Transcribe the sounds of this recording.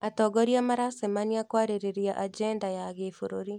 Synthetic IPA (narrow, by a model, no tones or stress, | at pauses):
atɔɡɔɾiamaɾasemaniakwaɾeɾeɾiaʔad͡ʒɛndajaɣeːfoɾoɾi